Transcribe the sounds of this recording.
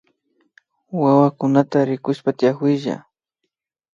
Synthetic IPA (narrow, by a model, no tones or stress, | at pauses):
wawakʊnat̪aɾɪkʊʃpat̪ɪjakwɪʒa̰